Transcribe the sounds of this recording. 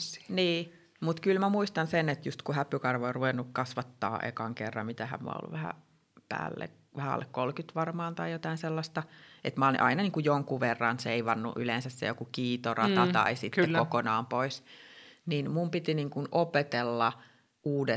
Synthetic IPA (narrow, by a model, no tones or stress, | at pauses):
niː | mut̪kylmæmuist̪ɑnsenet̪just̪kuhæpːykɑrʋooruʋenːukkɑsʋɑt̪ːɑ̰ːʔḛkɑŋkerːɑ̰mit̪æhæ̰mmṵɑ̰o̰lːṵʋæhæ̰ | pæ̰ːlːḛk | ʋæhæo̰lːḛkkolkyt̪ʋɑrmɑːnt̪ɑijot̪ɑinselːɑst̪ɑʔet̪mɑolḭʔɑinɑniːŋkujoŋkuʋerːɑnseiʋɑnːṵʔylensæssḛjokukiːt̪orɑt̪ɑt̪ɑ̰isit̪ekokonɑːmpoisninmumpit̪iniːŋkunopet̪elːɑ | ʔuːde